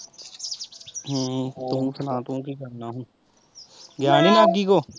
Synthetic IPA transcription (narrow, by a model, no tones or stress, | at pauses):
ɦt̪ũːsʰənãːt̪õːkiːkəɾnaːɦũː | ɡjaːniːnaːɡiːkoː